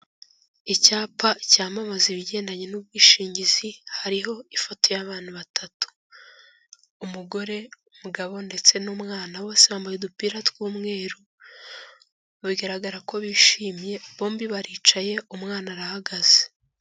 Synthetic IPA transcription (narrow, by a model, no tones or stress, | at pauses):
icaːpacaːmamaziβiɟe̞ːndaɲenubɡiːʃiːɲɟizihaɾiɦo̞ifo̞to̞jaβaːn̥huβatʰatu̥ | muɡo̞ɾe̞umuɡaβo̞nde̞t͡se̞nuːmŋaːnawoːseaːmbajedupiːɾatwuːmŋiːɾo | aβiɡaɾaɡaɾako̞βiːʃiːmje̞βoːmbiβaɾiːt͡ʃaje̞umŋaːnaɾahaɡaz̥e̥